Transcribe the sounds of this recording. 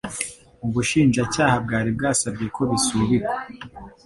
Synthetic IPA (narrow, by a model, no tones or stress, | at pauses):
uβuʃiːnʒacaːhab̚ɡaːɾib̚ɡaːsab̚ɟijekʰo̞βisuβiɾe